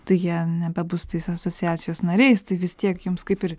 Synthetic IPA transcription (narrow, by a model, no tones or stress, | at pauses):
t̪ɐɪjiɛnʲɛbʲɛbʊst̪ɐɪsɐsoːt͡sʲɪjæːtt͡s̪ʲɪjoːsnɐɾʲɛɪst̪ɐɪʋʲɪst̪ʲiɛkjʊmskɐɪpɪr